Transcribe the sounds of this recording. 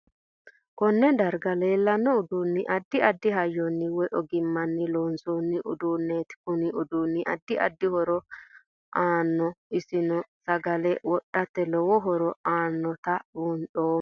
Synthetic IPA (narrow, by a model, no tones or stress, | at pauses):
kɔnːɛd̪ɐɾɡɐle̞ːlːɐnːɔʊd̪uːnːɪʔɐd̪ːɪɐd̪ːɪɦɐjːɔnːɪwɔʔɔɡɪmːɐnːɪloːnsoːnːɪʔʊ̰d̪uːnːeːt̪ɪ̥kʊnɪʊd̪uːnːɪʔɐ̰d̪ːɪʔɐ̰d̪ːɪhɔɾɔ | ʔaːnːɔɪsɪnɔsɐɡɐlɛwɔɗːɐt̪ːɛlɔwɔɦɔɾɔaːnːɔt̪ɐunɗoː